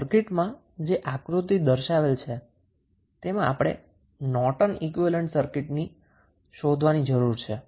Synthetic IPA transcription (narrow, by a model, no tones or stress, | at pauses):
əɾkɪʈmã | d͡ʒeʔakɾut̪id̪əɾʃaʋelt͡ʃʰe | t̪emãʔa̰pɽ̃ḛ | nɔʈənikʋiʋeləɳʈsəɾkɪʈni | ʃod̪ʱʋanid͡ʒəɾuɾt͡ʃʰe